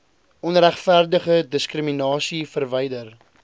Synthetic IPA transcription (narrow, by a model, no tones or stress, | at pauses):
ʔɔnræχfærdəχədəskrəminɑːsifərvɛjdər